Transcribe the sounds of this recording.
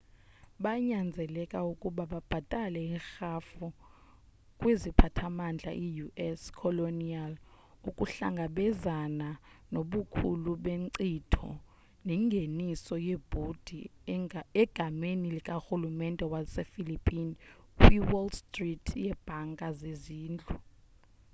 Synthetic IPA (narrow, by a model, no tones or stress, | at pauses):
ɓaɲand͡zʱɛlɛkʼaukʼuɓaɓab̥ʱatʼalɛixafu | kʼwezipʰatʰamand͡ɮʱa̰ʔijuɛskʰɔlonial | ukʼuɬa̰ŋɡʱaɓɛzananoɓukʰṵluɓeǀitʰɔ̰ | nɛŋɡʱenisɔjeb̥ʱud̥ʱi | ɛɡ̥ʱamenilikʼaxulumɛndʱʼɛwasefilipʼini | wiwɔlstʼritʰjɛb̥ʱaŋɡʱʼazeziːnd͡ɮʱu